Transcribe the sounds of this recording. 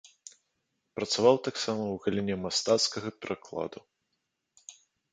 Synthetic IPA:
pɾɐt̪savawt̪aksamɐwɣalʲinʲɛmast̪at̪skɐɣɐpʲɛɾʔaklˠa̰d̪u

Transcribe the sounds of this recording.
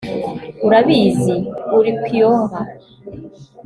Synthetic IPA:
uɾaβiːziuɾikʷijoːβa

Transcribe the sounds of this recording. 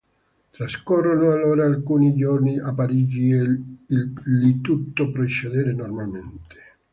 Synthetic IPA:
t̪ɾaskorːonoaloːɾaːlkuːnid͡ʒorniapːaɾid͡ʒieillit̪ut̪ːopɾet͡ʃed̪eːɾenormalment̪e̥

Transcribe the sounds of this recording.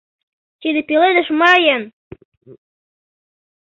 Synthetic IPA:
t̪ʲid̪ɘ̆pʲiled̪ɘ̆ʃmɑjɤn

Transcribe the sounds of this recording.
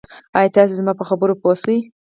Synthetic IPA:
ɑjɑt̪ɑs̬ezmɑpəxabəɾopost̪əj

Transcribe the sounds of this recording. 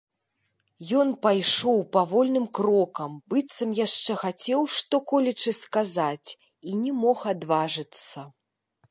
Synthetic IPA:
jɔnpajʂɔwpavɔlʲnɨmkɾɔkɐmbɨt̪sɐmjaʂt͡ʂɛxat͡sʲɛwʂt̪ɔkɔlʲɛt͡ʂɨskazat͡sʲ | inʲɛmɔxad̪vaʐɨt̪sːɐ

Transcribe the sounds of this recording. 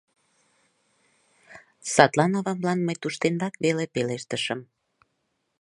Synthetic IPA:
sɑt̪lɑnoβɑmlɑnməjt̪uʃt̪end̪ɑkβelepeleʃt̪əʃəm

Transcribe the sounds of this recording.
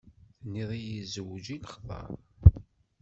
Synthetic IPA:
θnːiðˤijizəwd͡ʒiləχðˤɑ̰ɾˤ

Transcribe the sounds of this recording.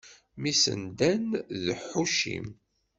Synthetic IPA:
misə̰nd̪ænðħuʃḭm

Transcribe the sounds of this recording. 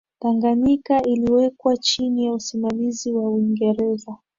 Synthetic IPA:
taŋɡaɲikailiwɛkwat͡ʃinijausimamiziwauiŋɡɛɾɛza

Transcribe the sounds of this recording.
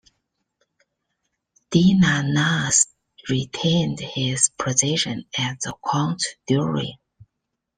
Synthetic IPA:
d̥inanas | ɹitʰẽɪ̃ndhɪz̥pʰɹ̥ɨzɪʃɨ̃næt̚ðəkʰãʊ̃ntdjuɹḭ

